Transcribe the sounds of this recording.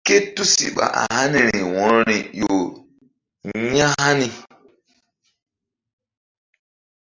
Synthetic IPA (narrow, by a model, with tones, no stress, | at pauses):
ke˦tu˦sḭ˨ɓa̰˨ʔa˨ha˦ni˨ɾi˨wɔ̃˨ɾɔ˦ɾi˨jo˨ | ɲã˦ɦa˦ni˨